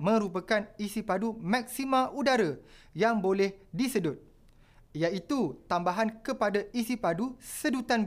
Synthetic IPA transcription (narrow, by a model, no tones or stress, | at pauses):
mə̃ɾupakanisipadumãk̚simãʔudaɾəjaŋbolɛhdisədʊt̪̚ | jait̪ut̪ambaɦankəpadaisipadusədut̪an